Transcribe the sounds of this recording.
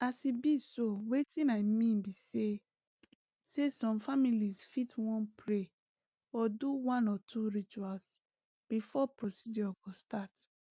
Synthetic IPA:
asibisowetĩnaɪmĩnbise | sesɔ̃mfamilisfitwɔ̃npʰɹe | ɔduwãnɔtʰuɹit͡ʃuals | b̥ifɔpɹosid͡ʒɔɡ̥ostat

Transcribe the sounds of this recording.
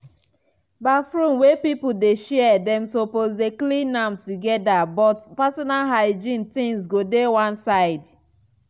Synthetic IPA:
bafɹũnwepipodeʃɛɛdɛ̃msopozdeklĩnãmtuɡɛdabɔtpasɔnalɦaɪd͡ʒĩntĩŋsɡodewãnsaɪd

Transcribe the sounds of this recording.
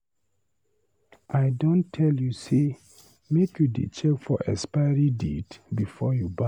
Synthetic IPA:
ʔaɪdõntʰɛljuse | mekjudḭt͡ʃɛkfɔʔɛ̰spaɹidḭtbifɔjuba

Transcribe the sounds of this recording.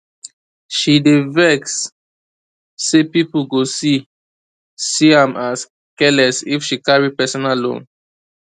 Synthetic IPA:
ʃidevɛks | epipulɡosi | siãmʔas | kɛlɛsifʃikaɹipɛsɔnalõ̰n

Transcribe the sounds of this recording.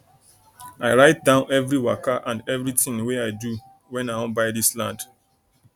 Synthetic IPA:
aɪɹaɪt̚dãʊ̃nɛvɹiwakaʔãndɛvɹitĩŋweaɪdu | wɛ̃naɪɔ̃nbaɪdislãnd̥

